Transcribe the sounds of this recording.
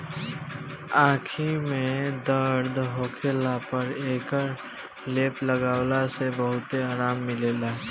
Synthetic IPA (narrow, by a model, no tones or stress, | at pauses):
ãːkʰimẽd̪əɾd̪ɦoːkʰeːlapəɾeːkəɾ | leːpləɡaːʊlasebəɦʊt̪eaːɾaːmːɪleːlaː